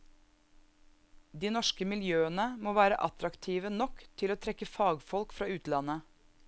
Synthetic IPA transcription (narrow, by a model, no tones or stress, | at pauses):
d̪iːnɔʃkəmɪljøːənəmoːʋæːɾəʔɑt̪ɾɑkt̪ʰiːʋənɔkt̪ʰɪloːt̪ʰɾɛkːəfɑːɡfɔlkfɾɑːʉːt̪lɑnə